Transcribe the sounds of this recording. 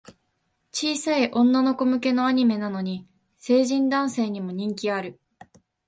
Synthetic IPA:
t͡ɕiːsaiʔõ̞nːano̞ko̞mɯ̟ke̞no̞aɲ̟ime̞nano̞ɲ̟i | se̞ːʑĩnd̪ãɰ̃se̞ːɲ̟imo̞ɲ̟ĩŋkʲiaɾɯ̟

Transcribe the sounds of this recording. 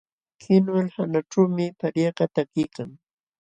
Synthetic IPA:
kʰɪnwalhanaʈ͡ʂawmɪpaɾjeqɑt̪akɪjkaŋ

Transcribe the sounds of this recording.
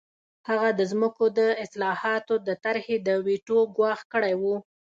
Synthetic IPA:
haɣad̪əzməkod̪əɪslɑhɑt̪od̪ət̪aɾhed̪əwiʈoɡwɑxkəɽajwu

